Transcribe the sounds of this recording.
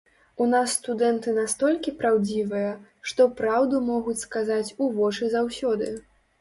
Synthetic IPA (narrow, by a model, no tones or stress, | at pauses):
unasːt̪ud̪ɛnt̪ɨnast̪ɔlʲkʲipɾawd͡zʲivɨjɐʂt̪ɔpɾawd̪umɔɣut͡sʲskazat͡sʲuvɔt͡ʂɨzawsʲɔd̪ɨ